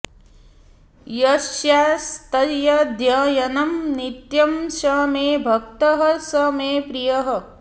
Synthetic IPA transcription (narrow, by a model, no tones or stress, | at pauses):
jɐʃjaːst̪ɐjɐd̪jɐːjɐnɐmnit̪jɐmʃɐmeːbʱɐk̚t̪ɐɦɐsɐmeːpɾijɐɦɐ̆